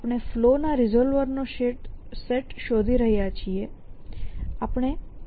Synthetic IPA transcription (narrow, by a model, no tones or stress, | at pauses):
apɳ̃eflonaɾɪzolʋəɾnoʃeʈseʈʃod̪ʱiɾəɦjat͡ʃʰie | apɳ̃e